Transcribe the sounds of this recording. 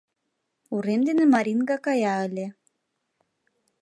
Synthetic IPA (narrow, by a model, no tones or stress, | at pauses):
uɾemd̪enemɑɾʲinɡɑkɑjɑə̆lʲĕ